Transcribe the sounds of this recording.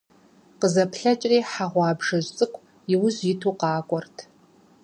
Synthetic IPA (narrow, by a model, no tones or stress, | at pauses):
qəzɐpʰɬɐt͡ʃʼriːħaʁʷɑːbʐɐʑʷt͡sʼɨkʷʰʼ | ɪwʊzɪtʰuːqɑːkʷʼɔrtʰ